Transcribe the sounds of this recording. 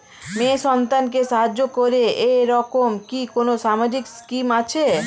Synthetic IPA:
meʃɔnt̪ank̬eʃaɦad͡ʑːokoɾeeɾɔkomkikonoʃamad͡ʑikskimat͡ɕʰe

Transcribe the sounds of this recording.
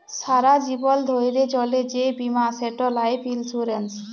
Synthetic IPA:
saɾad͡ʒibɔld̪ʱojɾet͡ɕɔled͡ʑebimaseʈɔlajpʰilsuɾens

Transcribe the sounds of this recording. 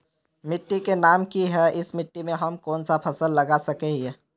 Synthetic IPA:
mɪʈːikenaːmkiɦɛʔɪsmɪʈːimẽɦɐmkɔːnsapʰɐsəlːɐɡasɐkeɦe

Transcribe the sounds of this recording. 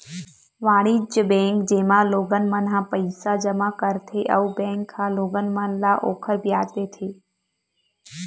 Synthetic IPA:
ʋaːɽid͡ʒəbɛ̃kd͡ʒemãloɡənmənɦãpəjsad͡ʒəmãkəɾt̪ʰeʔəʋubɛ̃ŋkʰːãloɡənmənlaʔokʰəɾbjad͡ʒd̪et̪ʰe

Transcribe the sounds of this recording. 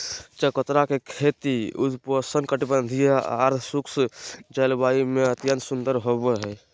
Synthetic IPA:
t͡ʃəkət̪ɾakekʰet̪iṵd̪pəsənkəʈibənd̪ʱijaa̰ɾt̪ʰsuksd͡ʒəlbaimeət̪jənsund̪əɾɦobeɦɛ

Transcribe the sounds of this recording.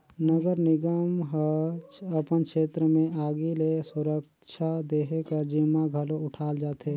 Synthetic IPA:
nəɡəɾnɪɡəmɦəəpənkʃeːt̪ɾəmẽaːɡilesʊɾək | t͡ʃʰad̪eːɦekəɾd͡ʒɪmaɡʱəloʊʈʰaːld͡ʒaːt̪eː

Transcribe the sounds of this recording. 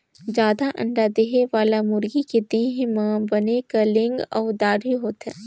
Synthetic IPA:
d͡ʒjaːd̪aʔɐ̰̃ɳɖad̪eɦeʋaːlamʊɾɡiked̪eɦẽmaːbɐnekalɪ̃ŋɡɔːd̪aːɖɦiɦoːt̪ɦɛ̰̃ː

